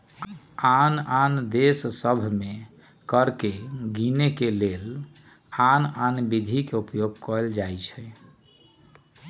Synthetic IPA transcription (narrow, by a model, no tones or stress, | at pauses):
anand̪essəbʱme | kəɾkeɡinekelel | ananbid̪ʱikeupjoɡ̚kɔld͡ʒajt͡ʃʰɛ